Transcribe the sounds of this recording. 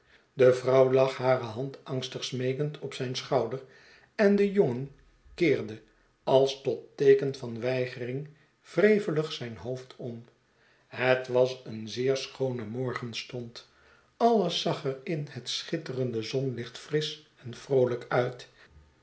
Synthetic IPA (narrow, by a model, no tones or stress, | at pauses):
dəvrɑwlɑχɦaːrəɦɑntɑŋstəχsmejkəntʰɔpsɛjnsχɑwdər | ɛndəjɔŋən | kɪːɹdə | ɑlˠstɔtejkənfɑnʋɛjχərɪŋ | v̥rejvələχsɛjnɦowftʰɔm | ɦətʋɑsənzɪːɹsχownəmɔɹχənstɔnt | ɑlˠəsːɑχɛrɪnhətsχɪtərəndəzɔnlɪχtfrɪs | ɛnfrowləkœɥt